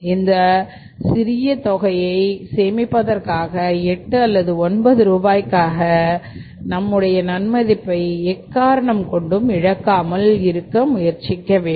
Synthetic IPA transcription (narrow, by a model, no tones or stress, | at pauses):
ɪnd̪ɐ | sɪɾɪjɐt̪ɔɣɐjɐɪseːmɪpːɐðɐɾkaːɣɐɛʈːɯɐlːɐðɯɔnbɐðɯɾuːbaːjkːaːɣɐ | nɐmːɯɽɐjɐnɐnmɐðɪpːɐɪɛkːaːɾɐɳɐmkɔɳɖɯmɪɻɐkːaːmɐlɪɾɯkːɐmʊjɐɾt͡ʃɪkːɐʋeː